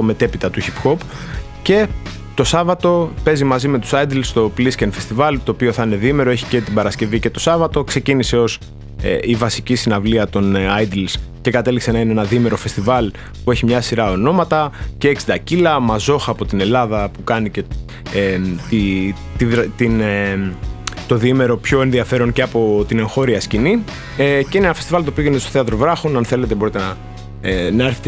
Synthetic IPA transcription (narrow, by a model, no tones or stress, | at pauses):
t̪o̞me̞t̪e̞pit̪ɐt̪uçipxo̞p | ce̞ | t̪o̞sɐvɐt̪o̞pe̞zimɐzime̞t̪u̥sɐjd̪ilst̪o̞pliscenfe̞st̪ivɐlt̪o̞ːpio̞θɐine̞ðime̞ɾo̞e̞çi̥ce̞t̪ibɐɾɐsce̞vice̞t̪o̞sɐvɐt̪o̞kse̞cinise̞o̞s | ivɐsicisinɐvliɐt̪o̞nɐjd̪ilsce̞kɐt̪e̞likse̞nɐineenɐðime̞ɾo̞fe̞st̪ivɐl | pue̞çimɲɐsiɾɐo̞no̞mɐt̪ɐce̞ːksind̪ɐcilɐmɐzo̞xɐːpo̞t̪ine̞lɐðɐpukɐnice̞ | t̪i | t̪iðɾt̪in | t̪o̞ðime̞ɾo̞pço̞e̞nðiɐfe̞ɾo̞nceɐpo̞t̪ine̞ŋxo̞ɾiɐscini | ce̞inenɐfest̪ivɐlt̪opiʝenest̪o̞θeɐt̪ɾo̞vɾɐxo̞nɐnθe̞let̪ebo̞ɾit̪eɐ | nɐeɾθet̪